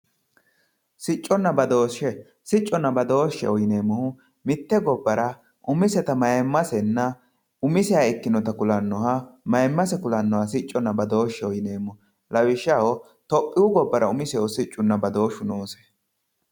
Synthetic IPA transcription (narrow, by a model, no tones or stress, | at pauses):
sɪt͡ʃʼːɔnːɐbɐd̪o̞ːʃːɛ | sɪt͡ʃʼːɔnːɐbɐd̪o̞ːʃːɛ̰ɔjneːmːɔhʊ | mɪt̪ːɛɡɔbːɐɾɐ | ʔʊmɪsɛt̪ɐmɐjɛmːɐsɛnːɐ | ʊmɪsɪaɪkːɪnɔt̪ɐkʊlɐnːɔhɐmɐjmːɐsɛkʊlɐnːɔhɐsɪt͡ʃʼːɔnːɐbɐd̪oːʃːɛɔjɪneːmːɔ | lɐwɪʃːɐwɔ | t̪ɔpʼːɪwʊɡɔbːɐɾɐʊmɪsɛɔsɪt͡ʃʼːʊnːɐbɐd̪o̞ːʃʊnoːsɛ̥